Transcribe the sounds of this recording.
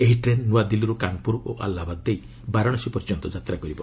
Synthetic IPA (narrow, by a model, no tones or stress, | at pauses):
eɦiʈɾenːuad̪iluɾukaŋpuɾoʔa̰lːabad̪̚d̪ej | baɾɔɽɔsipɔɾd͡ʒɔnt̪ɔd͡ʒat̪ɾakɔɾibɔ